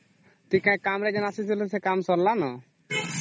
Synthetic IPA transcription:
t̪ikãjkamɾɛd͡ʒɔnasisilusɛkamsɔɾlanɔ

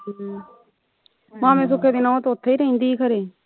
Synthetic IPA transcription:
mãːmẽːs̬ʊkʰeːd̪iːnaːt̪oːt̪ʰːeːiːɾəĩːnd̪iːkʰəɾeː

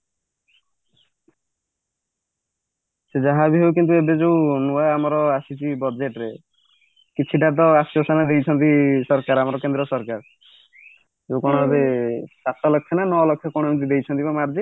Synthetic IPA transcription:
sed͡ʒaɦabiɦowk̬int̪̬uebed͡ʒewnuaeamɔɾɔasit͡ʃʰibɔd͡ʒeʈɾe | kit͡ʃʰiʈat̪̬ɔasɔsanad̪ejt͡ʃʰɔnt̪isɔɾkaɾamɔɾɔkend̪ɾɔsɔɾkaɾ | d͡ʒeukɔɽ̃ɔbʱabesasɔlɔkʰːenanɔlɔkʰːjɔkoɽ̃ɔmint̪id̪ejt͡ʃʰɔnt̪ibamaɾd͡ʒi

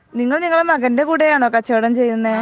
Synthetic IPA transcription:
niŋːɐɭniŋːɐɭmɐɣɐnde̞kuːɽɐjaːɳokːat͡ɕeɽɐmt͡ɕe̞jːunːɐe

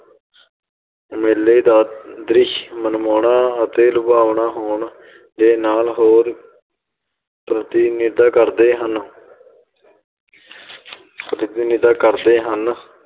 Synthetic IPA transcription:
meːleːd̪aːd̪ɾɪʃmənmoːɳaːət̪eːlʊbaːʋɳaːɦoːɳ | d̪eːnaːlɦoːɾ | pɾət̪iːnɪd̪aːkəɾd̪eːɦən | ptd̪iːnɪd̪aːkəɾd̪eːɦən

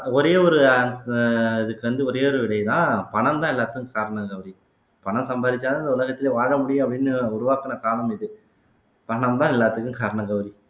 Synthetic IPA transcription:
ɔɾeːɔɾɯ | ɪðɯkːɯʋɐnd̪ɯɔɾeːɔɾɯʋɪɽɐɪt̪ãːpɐɳɐmt̪ãːɪlːaːt̪ɯkɯkaːɾɐɳɐɡɐʋɾi | pɐɳɐ̃msɐmbaːɾɪt͡ʃːaːãːɪnd̪ɐʊlɐɣɐt̪ːɪleːʋaːɻɐmʊɽɪjʊ̃ɐpːɐɽɪnːɯʊɾʊʋaːkɐnɐkaːɾɐɳɐmɪðɯ | pɐɳɐmt̪ãːɪlːaːt̪ɯkːɯkaːɾɐɳɐɡɐʋɐɾi

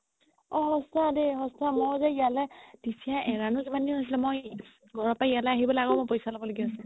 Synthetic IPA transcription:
ɔɦɔsadeɦɔsamɔɹzɛijalɛd̥isiaɛɹanʊzimaniɦojs̬ilɛmoj | ɡʱɔɹɔpaijalɛaɦibɔlaɡɔmojpojsalɔbɔloɡiasɛ̃

